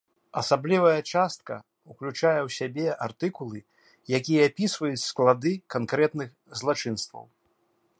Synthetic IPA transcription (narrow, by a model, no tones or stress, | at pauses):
ɐsablʲivɐjɐt͡ʂast̪̚kɐ̰ | uklʲut͡ʂajɛwsʲabʲɛʔart̪ɨkulˠɨ | jakʲijɛapʲisvɐjut͡sʲsklˠad̪ɨkankɾɛt̪nɨx | zlˠat͡ʂɨnst̪vɐ̰w